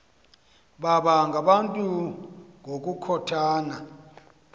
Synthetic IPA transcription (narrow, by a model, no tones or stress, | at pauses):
ɓaɓaŋɡʱaɓantʼuŋʱok̬ʼukʰɔtʰaːna